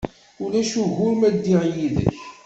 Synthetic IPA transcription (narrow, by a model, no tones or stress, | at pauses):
ʊlæʃuɣʊɾmæd̪ːiʁjiðə̰ç